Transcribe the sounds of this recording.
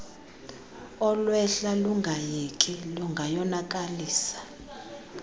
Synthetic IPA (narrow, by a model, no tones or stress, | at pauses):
ɔlwɛɬaluŋɡʱajɛkʼiluŋɡʱajɔnakʼaliːsḁ